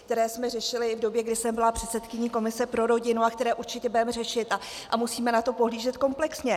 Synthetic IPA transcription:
k̚t̪ɛɾɛːsmɛr̝ɛʃɪlɪvdo̞bjɛɡdɪsɛmbɪlapr̝̥ɛt̪sɛt̪kɪɲiko̞mɪsɛpɾo̞ɾo̞ɟɪnuakt̪ɛɾɛːʔuɾt͡ʃɪcɛbɛmɛrɛʃɪt̪a | ʔamusiːmɛnat̪o̞po̞ɦliːʒɛt̪ko̞mplɛksɲɛ

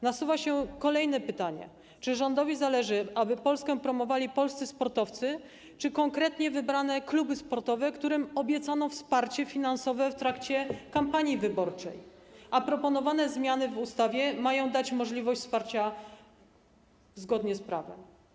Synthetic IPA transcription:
nasuvaɕɛkɔlɛjn̪ɛpɘt̪aɲɛ̰ | t͡ʂɘʐɔnd̪ɔvʲizalɛʐɘʔabɘpɔlskɛ̃pɾɔmɔvalʲipɔlst̪sɘspɔɾt̪ɔft̪sɘ | t͡ʂɘkɔŋkɾɛt̪ɲɛvɘbɾan̪ɛklubɘspɔɾt̪ɔvɛkt̪uɾɘmɔbʲjɛt̪sanɔ̃w̃fspaɾt͡ɕɛfʲinansɔvɛft̪ɾakt͡ɕɛkampaɲivɘbɔɾt͡ʂɛ̰jʔapɾɔpɔnɔvanɛzmʲjan̪ɘvust̪avʲjɛmajɔ̃w̃d̪at͡ɕmɔʐlʲivɔɕt͡ɕʲspaɾt͡ɕa | zɡɔd̪ɲɛspɾa̰vɛ̰m

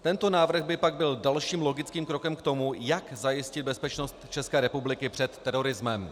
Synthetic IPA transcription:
t̪ɛnt̪o̞naːvr̩ɣbɪpaɡ̚bɪldalʃiːmlo̞ɡɪt͡skiːmkɾo̞kɛmkt̪o̞mujakzajɪscɪd̪̚bɛspɛt͡ʃno̞st̪t͡ʃɛskɛːɾɛpublɪkɪpr̝̥ɛt̪ːɛɾo̞ɾɪzmɛm

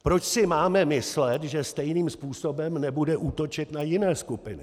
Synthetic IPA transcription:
pɾo̞t͡ʃsɪmaːmɛmɪslɛt̪ʒɛst̪ɛjniːmspuːsobɛmnɛbudɛʔuːt̪o̞t͡ʃɪt̪najɪnɛːskupɪnɪ

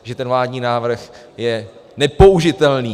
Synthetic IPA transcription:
ʒɛt̪ɛnvlaːdɲiːnaːvr̩x | jɛnɛpo̞uʒɪt̪ɛlniː

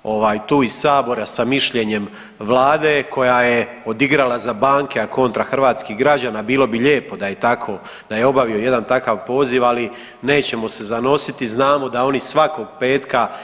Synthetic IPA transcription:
o̞ʋaːjt̪uːisaːbo̞ɾasamiʃʎe̞ɲe̞m | ʋlˠaːd̪eːkʰo̞jajeo̞d̪iɡɾalˠazabaːŋke̞ako̞nt̪ɾaxr̩ʋaːt̪skiɦɡɾad͡ʑaːnabiːlo̞biʎe̞ːpo̞d̪aje̞t̪akʰo̞ | d̪aje̞o̞baʋio̞je̞d̪ant̪akaʋpo̞ːziʋali | ne̞ːt͡ɕe̞mo̞se̞zano̞sit̪iznaːmo̞d̪ao̞nisʋako̞ɡpe̞ːt̪ka

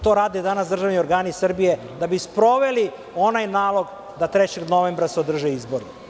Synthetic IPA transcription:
t̪o̞ːɾaːd̪ed̪anasd̪r̩ʒaʋnioɾɡaːnisr̩bije | d̪abispɾo̞ʋeli | o̞najnaːlˠo̞ɡ | d̪at̪ɾɛt͡ɕeɡno̞ʋembɾaseod̪r̩ʒeizboɾi

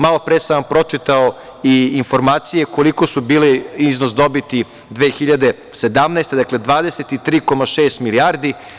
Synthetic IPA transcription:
malo̞pɾesaampɾo̞t͡ʃit̪ao | iːnfo̞ɾmaːt̪sije̞koliko̞subiːleiznos̬d̪o̞bit̪i | d̪ʋeːxiʎad̪e̞ | se̞d̪amnaːst̪e̞d̪akle̞d̪ʋaːd̪e̞set̪it̪ɾiːko̞maʃeːst̪miliaːɾd̪i

